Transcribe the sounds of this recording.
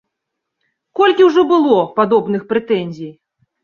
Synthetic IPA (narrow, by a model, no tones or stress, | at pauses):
kɔlʲkʲiwʐɔbɨlˠɔpad̪ɔbnɨxpɾɛt̪ɛnʲzʲij